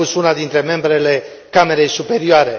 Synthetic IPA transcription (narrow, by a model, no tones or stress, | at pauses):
usunad̪int̪ɾe̞me̞mbɾe̞le̞ | kame̞ɾe̞jsupe̞ɾioaɾe̞